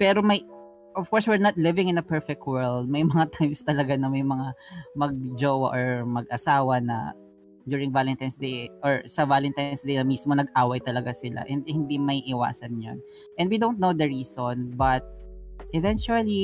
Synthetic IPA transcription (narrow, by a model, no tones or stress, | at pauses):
pɛɾomɐj | ʔɔv̥kɔɹswɪɹnɐt̪̚lɪvɪ̃ŋɪ̃nɐpɛɹfɛk̚t̪̚wɛɹld̪̚mɐjmɐŋat̪ajmst̪ɐlɐɡanɐmɐjmɐŋamɐɡ̚d͡ʒoːwɐʔoɹmɐɡ̚ʔɐsaːwɐnɐ̰ | d͡ʒuːɹɪ̃ŋvalɛnt̪ajnsd̪ejʔɔɹsɐvalɛnt̪ajnsd̪ejnɐmiːsmonɐɡ̚ʔaːwɐjt̪ɐlɐɡasɪla̰ʔɛnd̪hɪnd̪imɐiʔɪwa̰ːsɐnjo̰n | ʔɛ̃nd̪wid̪ownt̪̚nowd̪ɐɹiːsonbɐt̪̚ʔɛvɛnt͡ʃuɐli